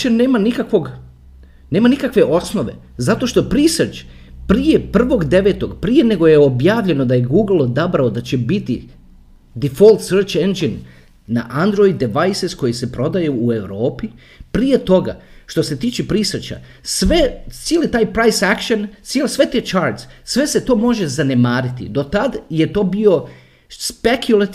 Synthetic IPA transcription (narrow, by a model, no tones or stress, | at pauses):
ene̞ːmanikakʋo̞ɡ | ne̞ːmanikakʋe̞ʔo̞sno̞ʋe̞̰ | zat̪o̞ʃt̪o̞pɾisərt͡ʃ | pɾije̞pr̩ʋo̞ɡd̪e̞ʋe̞ːt̪o̞ɡpɾije̞ne̞ɡo̞jeobjaːʋʎe̞no̞d̪aje̞ɡuːɡlˠd̪abɾaod̪at͡ɕe̞bit̪i | d̪ifo̞lt̪səɾt͡ʃend͡ʒinː | a̰ʔand̪ɾo̞jd̪ːeʋajsesko̞jise̞pɾo̞d̪ajeue̞ʋɾo̞ːpi | pɾije̞t̪o̞ɡa̰ʃt̪o̞se̞t̪iːt͡ʃepɾisrt͡ʃa̰ | sʋet̪sielet̪aːjpɾajsakʃont̪sielsʋe̞t̪eːt͡ʃaɾd̪ssʋe̞se̞t̪o̞ːmo̞ʒe̞zanemaːɾit̪ḭd̪o̞t̪ad̪je̞t̪oːbio̞ | spekʰjulat̪